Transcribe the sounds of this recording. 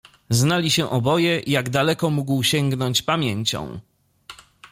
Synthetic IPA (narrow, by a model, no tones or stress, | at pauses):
znalʲiɕɛʔɔbɔjɛʔijaɡd̪alɛkɔmuɡwɕɛŋɡnɔɲt͡ɕpamʲjeɲt͡ɕɔ̰̃w̃